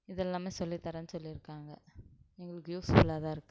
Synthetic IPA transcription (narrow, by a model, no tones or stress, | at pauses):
ɪðɛlːaːmeːsɔlːit̪ɐɾɐnsɔlːiɪɾɯkːaːŋɡɐɛŋɡɐɭɯkːɯjuːsfʊlaːðãːɪɾɯkːɯ̥